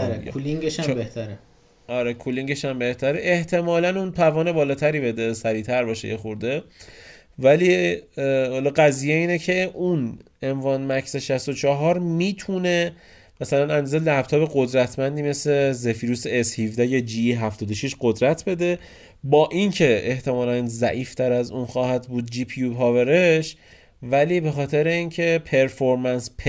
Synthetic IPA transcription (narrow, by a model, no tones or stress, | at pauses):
uliŋɡeʃæbeht̪ʰæɾe | ɒɾekʰuliŋɟeʃæmbe̞ht̪ʰæɾeʔeht̪ʰe̞mɒːlænunt̪ʰævɒːne̞bɒːlɒːt̪ʰæɾiːbe̞d̪esæɾiːt̪ʰæɾbɒːʃḛjexoɾd̪e | væliː | hɒlɒɢæziːjeiːnecʰe̞ʔun | envɒːnmæcʰseʃæst̪o̞t͡ʃʰɒɦɒɾmiːt̪ʰune̞ | mæsælænænd̪ɒːzelæb̥t̪ʰɒːbe̞ɡo̞d̪ɾæt̪ʰmænd̪iːme̞sle̞zefiːɾuseeshivd̪æjɒd͡ʒiɦæft̪ɒːd̪o̞ʃiʃɢo̞d̪ɾæt̪ʰbe̞d̪e̞ | bɒːʔincʰe̞eht̪ʰe̞mɒːlænzæʔiːft̪ʰæɾæzunxɒːhæd̪buːd̪̚d͡ʒiːpʰijupɒːveɾeʃ | væliːbe̞xɒːt̪ʰeɾe̞iːncʰe̞pʰe̞ɾfoɾmænspʰ